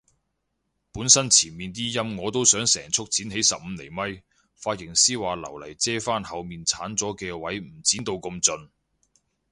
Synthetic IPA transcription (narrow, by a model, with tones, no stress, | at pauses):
puː˨˥nsɐ˥nt͡sʰiː˨˩nmiː˨nt̪̬iː˥jɐ˥mŋɔː˨˧t̪o˥wsœː˨˥ŋsɛ̰ː˨˩ŋt͡sʰʊ˥k̚t͡sʰiː˨˥nɦe˨˥jsɐ˨p̚m̩˨˧le˨˩jmɐ˥j | faː˧t̚jɪ˨˩ŋsiː˥waː˨lɐ̰˨˩wlɐ˨˩jt͡sɛː˥faː˥nhɐ˨wmiː˨nt͡sʰaː˨˥nt͡sɔː˨˥kɛː˧wɐ˨˥jm̩˨˩t͡siː˨˥nt̪o˧wko˧mt͡sɵ˧n